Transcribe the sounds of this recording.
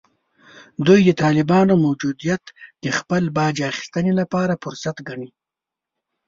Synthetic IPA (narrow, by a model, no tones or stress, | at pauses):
d̪ujd̪ət̪ɑːlɪbɑnomawd͡ʒud̪ijat̪d̪̥əxpəlbɑd͡ʒaxi̥st̪ənelapɑɾafʊɾsat̪ɡaɳi